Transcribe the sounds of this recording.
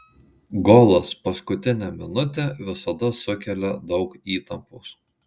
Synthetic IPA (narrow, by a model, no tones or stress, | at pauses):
ɡɔlˠɐspɐskʊt̪ʲɪnʲɛmʲɪnʊt̪ʲɛʋʲɪsɐd̪ɐsʊkʲɛlʲɛd̪ɒʊkiːt̪ɐmpuːs